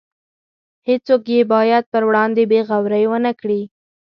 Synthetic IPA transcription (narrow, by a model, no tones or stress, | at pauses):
het͡sokjebɑjad̪̚pəɾwɽɑnd̪ebeɣawɾəjwənəkɽi